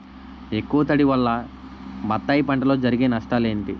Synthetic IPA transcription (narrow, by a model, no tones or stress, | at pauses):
e̞kːuʋɐt̪ɐɽiʋɐlːɐ | mɐt̪ːaːjipɐɳʈɐlo̞ːd͡ʒɐɾiɡeːnɐʂʈaːle̞ːɳʈi